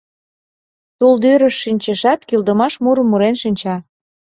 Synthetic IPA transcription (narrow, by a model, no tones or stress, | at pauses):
t̪uld̪yɾəʃːinʲt͡ɕə̆ʃɑt̪kild̪əmɑʃmuɾə̆mːuɾenʃinʲt͡ɕɑ